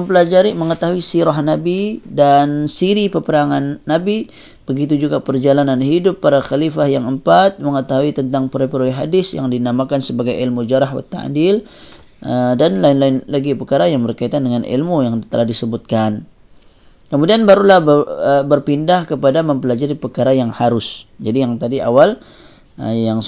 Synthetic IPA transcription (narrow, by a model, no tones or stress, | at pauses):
məmpəlad͡ʒaɾiməŋət̪aɦuisiɾahnabidansiɾipəpəɾaŋanːabi | b̥əɡit̪̬ud͡ʒuɡapərd͡ʒalananɦidʊpːaɾaxalifahjaŋəmpat̪̚məŋət̪aɦuit̪ənt̪aŋpəɾpəɾoɛɦadɪsja̰ŋdinamakansəbaɡajʔɪlmud͡ʒaɾahwa̰t̪ːa̰ʔdil | ədanlaɪnlaɪnlaɡipəkaɾajaŋbərkait̪andəŋanḭlmujaŋt̪əlahdisəbʊt̪̚kan | kəmudianbaɾulahbəbərpindahkəpadaməmpəlad͡ʒaɾipəkaɾajaŋhaɾʊsd͡ʒadijaŋt̪adia̰wal | jaŋ